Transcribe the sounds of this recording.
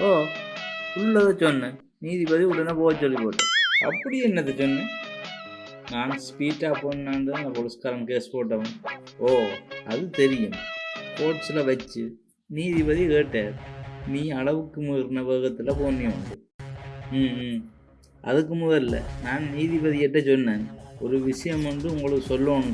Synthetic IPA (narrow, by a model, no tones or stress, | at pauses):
oː | ʊllːɐðɐt͡ʃɔnːɯ | niːðipɐðiuɭːɐnːɐpoːt͡ʃɔlːipoːʈːḛːɐ̰pːɐɽɪjɛnːɐt̪ːɐt͡ʃɔnːɯ | naːnspiːʈːaːpoːnːaːɳɖɯnaːpɔɾɯskaːɾɐmkeːspoːʈ̬ːɐʋɐ | oːɐðɯt̪ɛɾɪjɯmpoːʈslɐʋɐt͡ʃːɯ | niːðipɐðikeːʈːeːɾniːɐɭɐʋɯkːɯmuɐɾnɐʋeːɣɐt̪ːɯlɐpoːnːiɐɳɖɯ | ʔɐ̰ðɯkːɯmʊðɐllɐ̰naːnniːðipɐðiɛʈːɐt͡ʃɔnːeːnɔɾɯʋɪʂɐjɐmɛɳɖɯʊŋɡɐɭɯɯsɔlːoːɳɯ̃